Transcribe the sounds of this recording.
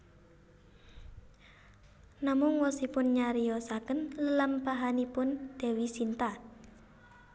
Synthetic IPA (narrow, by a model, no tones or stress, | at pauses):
namʊŋwɔsipʊnɲaɾijɔsakənləlampaɦanipʊnd̪̥ɛ̤wisint̪a